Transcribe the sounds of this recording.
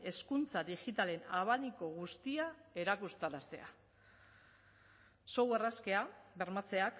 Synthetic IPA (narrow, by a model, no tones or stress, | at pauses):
e̞skunt͡saðiʝit̪ale̞naβ̞aniko̞ɣust̪iae̞ɾakust̪alast̪e̞̰a̰ | soweraske̞aβe̞ɾmat͡se̞ak